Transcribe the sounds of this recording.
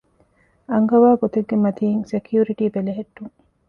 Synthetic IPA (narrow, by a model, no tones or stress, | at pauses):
ɐŋɡɐʋaːɡot̪eɡːemɐt̪iːŋsekʰjuːɾiʈiːbeleɦeʈːuŋ